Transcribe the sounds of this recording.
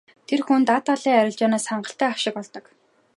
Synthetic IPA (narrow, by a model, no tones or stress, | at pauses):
t̪ʰerxunt̪at̪aɮiːŋæɾʲɪ̆ɮt͡ɕɔːnaːsχaɴɢə̆ɬt̪æːawʃɪ̆kpɔɮt̪ɞ̆k